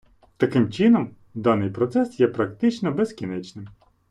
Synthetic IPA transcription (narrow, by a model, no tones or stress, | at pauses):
t̪ɐkɪmt͡ʃɪnɔm | d̪ɑnɪjpɾɔt̪sɛsjɛpɾɐkt̪ɪt͡ʃnɔbezkʲinɛt͡ʃnɪm